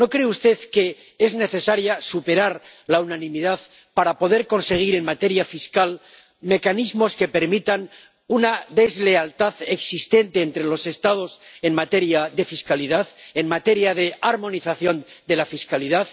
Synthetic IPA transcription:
no̞kɾe̞ust̪e̞ðke̞ | ezne̞θe̞saɾjasupe̞ɾaɾ | launanĩmiðað | paɾapo̞ðe̞ɾko̞nse̞ɣ̞iɾe̞nmat̪e̞ɾjafiskal | me̞kanizmo̞ske̞pe̞ɾmit̪an | unaðe̞zle̞alt̪aðeksist̪e̞nt̪e̞ːnt̪ɾe̞lo̞se̞st̪að̞o̞se̞nmat̪e̞ɾjaðe̞fiskaliðaðenmat̪e̞ɾjaðe̞aɾmõ̞niθaθjo̞nd̪e̞lafiskaliðað

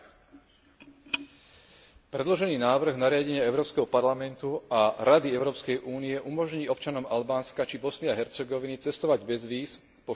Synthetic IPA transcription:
pɾɛd̪lɔʒɛniːnaːʋr̩ɣnaɾɪaɟɛɲɪaɛʊɾɔːpskɛɦɔpaɾlamɛnt̪uʔaɾad̪iɛʊɾɔːpskɛjʔuːniɛʔumɔʒɲiːɔpt͡ʃanɔmalbaːnskat͡ʃibɔsnɪaɦɛɾt͡sɛɡɔʋinit͡sɛst̪ɔʋaɟbɛzʋiːs | pɔ

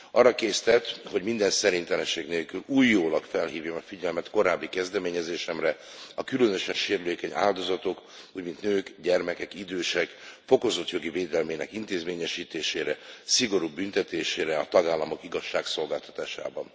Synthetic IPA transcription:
ɒrːɒkeːst̪ɛt̪ho̞ɟmind̪ɛnsɛɾint̪ɛlɛnʃeːɡneːlkyluːjːoːlɒkfɛlɦiːvjomɒfiɟɛlmɛt̪ko̞ɾaːbːikɛzd̪ɛmeːɲɛzeːʃɛmrɛɒkylønøʃɛnʃeːɾyleːkɛɲa̰ːld̪o̞zɒt̪o̞k | uːɟmint̪nøːkɟɛrmɛkɛkid̪øːʃɛkfo̞ko̞zo̞t̪jo̞ɡiveːd̪ɛlmeːnɛ̰kint̪eːzmeːɲɛʃiːt̪eːʃeːɾɛsiɡo̞ɾuːbynt̪ɛt̪eːʃeːɾɛɒt̪ɒɡaːlːɒmo̞kiɡɒʃːaːkso̞lɡaːlt̪ɒ̥t̪aːʃa̰ːbɒn

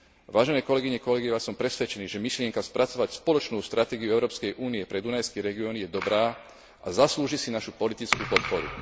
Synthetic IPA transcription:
ʋaːʒɛnɛːkɔlɛɡiɲɛkɔlɛɡiʋaːsɔmpɾɛsʋɛt͡ʃɛniːʒɛmiʃlɪɛŋkaspɾʔat͡sɔʋacspɔlɔt͡ʃnuːst̪ɾʔat̪ɛːɡiuɛʊɾɔːpskɛjʔuːniɛpɾɛd̪unajskɛɾɛɡiɔnijɛd̪ɔbɾaː | azasluːʒisinaʃupɔlit̪it͡skuːpɔt̪̚pɔɾṵ

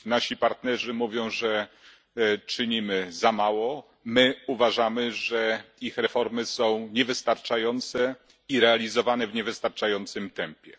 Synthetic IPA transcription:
naɕipaɾt̪nɛʐɘmuvʲjɔ̃w̃ʐɛ | t͡ʂɘɲimɘzamawɔ | mɘuvaʐamɘʐɛixɾɛfɔɾmɘsɔ̃w̃ɲɛvɘst̪aɾt͡ʂajɔnt̪sɛ | iɾɛalʲizɔvanɛvɲɛvɘst̪aɾt͡ʂajɔnt̪sɘmt̪ɛmpʲjɛ

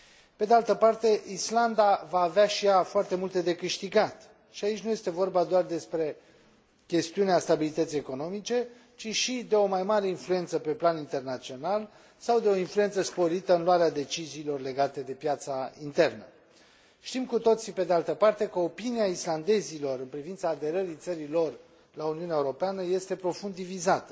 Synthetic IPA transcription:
ped̪ealt̪əpart̪e̞island̪avaːveaʃijafoart̪e̞mult̪e̞d̪e̞kɨʃt̪iɡat̪ | ʃiait͡ʃʲnuje̞st̪e̞vo̞rbad̪oard̪e̞spɾe̞ | kʲe̞st̪iuneast̪abilit̪ət̪sijeko̞no̞mit͡ʃe̞ | t͡ʃiʃid̪e̞o̞majmaɾe̞influje̞nt̪səpe̞planint̪e̞rnat̪sio̞nal | sawd̪e̞o̞influje̞nt̪səspo̞ɾit̪əɨnluaɾead̪e̞t͡ʃiziːlo̞rle̞ɡat̪e̞d̪e̞pjat̪saint̪e̞rnə | ʃt̪imkut̪o̞t̪sipe̞d̪ealt̪əpart̪e̞kəo̞piniaisland̪e̞zilo̞ɾɨnpɾivint̪saːd̪e̞ɾəɾit̪səɾilo̞r | launiunʲaeuɾo̞peanəje̞st̪e̞pɾo̞fund̪ivizat̪ə

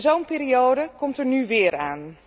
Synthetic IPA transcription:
zowmpiːɾiowdəkɔmtərnyʋɪːəraːn

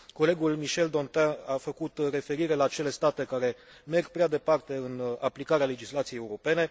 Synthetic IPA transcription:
ko̞le̞ɡulmiʃe̞ld̪o̞nt̪aafəkut̪re̞fe̞ɾiɾe̞laːt͡ʃe̞le̞st̪at̪e̞kaɾe̞ | me̞rɡ̚pɾead̪e̞part̪e̞ɨnaplikaɾeale̞d͡ʒislat̪sijejːeuɾo̞pe̞ne̞

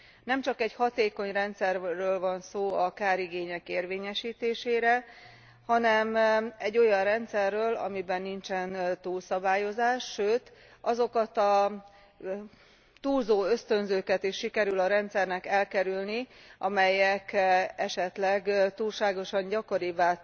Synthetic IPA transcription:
nɛmt͡ʃɒkɛɟhɒt̪eːko̞ɲrɛnt̪sɛrːøːlvɒnsoːɒkaːɾiɡeːɲɛkeːrveːɲɛʃiːt̪eːʃeːɾɛ | hɒnɛmɛɟːo̞jɒnrɛnt̪sɛrːøːlɒ̰mibɛnːint͡ʃɛnt̪uːlsɒbaːjo̞zaːʃːøːt̪ | ɒzo̞kɒt̪ɒ | t̪uːlzoːø̞st̪ø̞nzøːkɛt̪iʃːikɛɾylɒɾɛnt̪sɛrnɛkɛlkɛɾylniʔɒmɛjɛkɛʃɛt̪lɛɡt̪uːlʃaːɡo̞ʃɒɲɟɒko̞ɾivaː

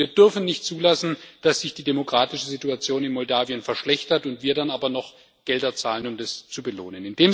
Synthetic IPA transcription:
viːɐdʏɐfn̩nɪçtt͡suːlasn̩d̥asz̥ɪçd̥iːdemokʁ̥aːtɪʃəzituat͡sjoːnɪnmɔldaːvijənfɛɐʃlɛçtɐtʊntv̥iːɐdanʔaːbɐnɔχ | ɡ̥ɛldɐt͡saːlənʊmdast͡subəlo̰ːnənɪndeːm

